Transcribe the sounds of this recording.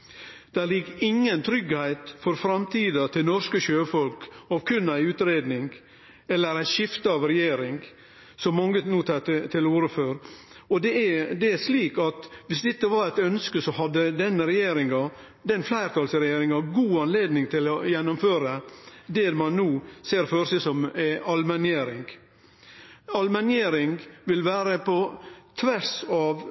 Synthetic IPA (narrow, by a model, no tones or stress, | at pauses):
d̪̥æɾlɪkːɪŋːənt̪ʰɾʏɡhæɪt̪fɔɾfɾɑmt̪ʰiːd̪ət̪ʰɪlnɔskəʃøːfɔlkɑʋkʰʉnæɪʉːt̪ɾeːd̪nɪŋɡ | ɛlːəɾæɪnʃɪft̪əɑʋɾɛjeːɾɪŋ | sɔmːɑŋːənuːt̪ʰːt̪ʰɪluːɾəføːɾ | ɔd̪ɛd̪ɛæɾʂliːkɑt̪ʋɪsd̪ɛt̪ːəʋɑɾæɪt̪œnskəsɔhɑd̪ːəd̪ɛnːəɾɛjeːɾɪŋɑ | d̪ɛnflæɪɾt̪ʰɑlsɾɛjeːɾɪŋɑɡuːɑnleːd̪nɪŋt̪ʰɪlɔjɛnːɔmføːɾəd̪ɛmɑnːuːseːɾføːɾsɛsɔmɑlmænɪeːɾɪŋɡ | ɑlmænjeːɾɪŋɡʋɪlʋæːɾəpʰɔt̪ʰʋæɾsɑʋ